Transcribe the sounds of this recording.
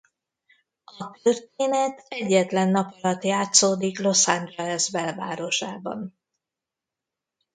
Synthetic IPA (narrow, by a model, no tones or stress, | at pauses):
ɒt̪ørt̪eːnɛt̪ɛɟːɛt̪lɛnːɒpɒlɒt̪jaːt̪soːd̪iklo̞sand̪ɛlɛzbɛlva̰ːɾo̞ʃaːbɒ̰n